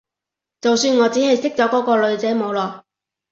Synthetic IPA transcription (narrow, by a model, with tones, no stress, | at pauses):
t͡sɐ˨wsyː˧nŋɔː˨˧t͡siː˨˥ɦɐ˨jsɪ˥k̚t͡sɔː˨˥kɔː˨˥kɔː˧lɵ˨˧ɥt͡sɛː˨˥mo˨˧wlɔː˨˩